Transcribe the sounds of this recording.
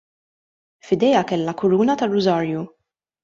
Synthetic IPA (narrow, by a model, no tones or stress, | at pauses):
fɪd̪ɛjɐkɛlːɐkʊɾuːnɐt̪ɐrːʊzɐːɾju